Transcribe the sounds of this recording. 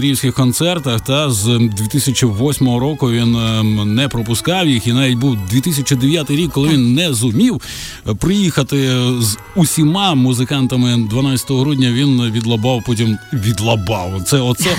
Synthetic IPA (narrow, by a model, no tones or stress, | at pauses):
ɾʲiwsʲkʲɪxkɔnt̪sɛrt̪ɐxt̪azd̪ʲʋʲit̪ɪsʲɐt͡ʃʲiʋɔsʲmɔɦɔɾɔkʊʋʲinːɛpɾɔpʊskɑwjixinaʋʲit̚ʲbuwd̪ʲʋʲit̪ɪsʲɐt͡ʃid̪eʋʲjat̪ɪjɾʲikːɔlˠɪʋʲinːɛzʊmʲiw | pɾɪjixɐt̪ɪz | ʊsʲimɑmʊzɪkɑnt̪ɐmɪd̪ʋɐnat͡sʲɐ̥t̪ɔɦɔɦɾudʲnʲɐʋʲinʋʲid̪lˠɐbɑwpɔtʲimʋʲid̪lˠɐbɑwt̪sɛɔt̪sɛ